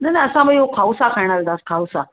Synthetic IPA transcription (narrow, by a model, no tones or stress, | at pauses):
najnaəsãməiɦokʰawsakʰajɽ̃ald̪askʰawsa